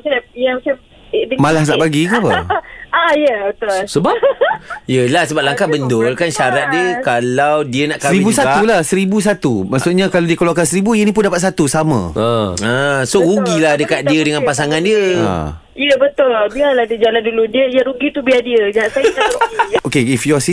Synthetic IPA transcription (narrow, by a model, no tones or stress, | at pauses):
sajamasa | dəmalahnaʔbaɡikapəaijəbət̪ʊlsəba | jəlahsəbap̚laŋkabəndʊlkanʃaɾat̪̚diəkalawdiənaʔskaɾiibussataulahsəɾibus̬at̪umaʔsuʔɲakalawdiəkəlakansəɾibujənĩp̬ʊndapat̪̚sat̪usamã̰əəsoɾuɡilahdəkat̪̚diədəŋanpas̬aŋandiəa̰ | iəbət̪ʊlbialahdid͡ʒalanduludiəijaɾuɡit̪ubiadiəd͡ʒasa | okeifjɔsi